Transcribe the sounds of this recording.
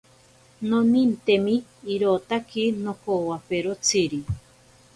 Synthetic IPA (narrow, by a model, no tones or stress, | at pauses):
nonint̪emiːɾot̪akinokowapeɾot͡sʰiɾi